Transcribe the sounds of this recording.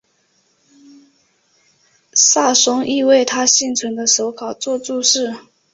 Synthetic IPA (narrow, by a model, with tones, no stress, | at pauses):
sa˥˩ʂʊ˥ŋʔi˥˧we˥˩ɪt̪ʰa˥ɕi˥˩ŋt͡sʰwə˧˥nd̪ə˧ʂo˧˥ʊkʰɑ˨˩ʊt͡swɔ˥˧t͡su˥˧ʂɻ̩˥˩